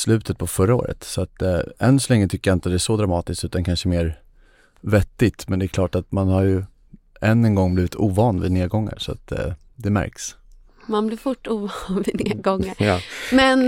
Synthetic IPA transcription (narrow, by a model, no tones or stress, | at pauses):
slʉ̟ːt̪ʰət̪̚pʰɔfœɾːao̰ːɾə̰t̪sɔat̪ɛ̰nːsɔlɛŋːət̪ʰʏkːəjaɪnt̪ət̪d̪ɛæʂɔd̪ɾamɑːt̪ɪsk̪t̪ʉ̟ːt̪ankʰanʂəmeːɾ | vɛt̪ːɪt̪mɛnd̪ɛːɾkʰlɑːʈat̪manhaɾjɵ | ʔɛnːɛnɡɔŋːbliːvɪt̪ʰuːvɑːnvɪ̰neːɾɡɔŋːa̰ɾʂɔa̰t̪ | d̪ɛmæ̰ɾks | manblɪɾfʊʈːuːvɑːnvɪneːɡɔŋːamɛn